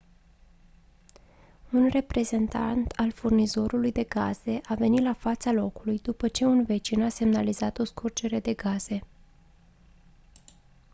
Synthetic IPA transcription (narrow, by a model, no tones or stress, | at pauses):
unre̞pɾe̞ze̞nt̪a̰nt̪alfurnizo̞ɾulujd̪e̞ɡaz̥e̞ʔave̞nit̪lafat̪salo̞kulujd̪upət͡ʃe̞unve̞t͡ʃinase̞mnalizat̪o̞skurd͡ʒe̞ɾe̞d̪e̞ɡaz̥e̞